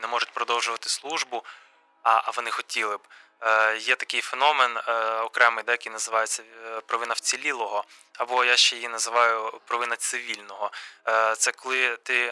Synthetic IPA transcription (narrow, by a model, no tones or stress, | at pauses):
nɛmɔʐʊtʲpɾɔd̪ɔwʒʊʋɐt̪ɪ̥slˠuʒbʊ | ɐʋɔnɪxɔtʲilˠɪb | jɛt̪ɐkɪjfenɔmenɔkɾɛmɪjd̪ɛjɐkɪjnɐzɪʋɑjet͡sʲːɐpɾɔʋɪnɐwt͡sʲilʲilˠɔɦɔ | ɐbɔjaʃt͡ʃɛjjinɐzɪʋɑjʊpɾɔʋɪnɐt̪sɪʋʲilʲnɔɦɔt̪sɛkɔlˠɪt̪ɪ